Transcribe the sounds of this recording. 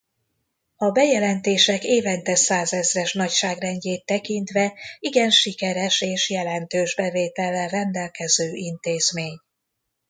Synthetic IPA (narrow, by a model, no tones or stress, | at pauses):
ɒbɛjɛlɛnt̪eːʃɛkeːvɛnt̪ɛsaːzɛzrɛʃnɒcʃaːɡrɛɲɟeːt̪ːɛkint̪ʋɛiɡɛnʃikɛɾɛʃeːʃjɛlɛnt̪øːʒbɛveːt̪ɛlːɛrɛnd̪ɛlkɛzøːʔint̪eːzmeːɲ